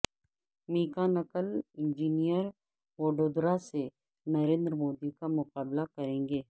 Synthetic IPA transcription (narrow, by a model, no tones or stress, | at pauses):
miːkanɐkəlɪ̃nd͡ʒiːnijəɾ | ʋoːɖoːd̪ɾase | nɐɾẽːnd̪ɾəmoːd̪ikamʊqaːblakɐɾẽːŋɡeː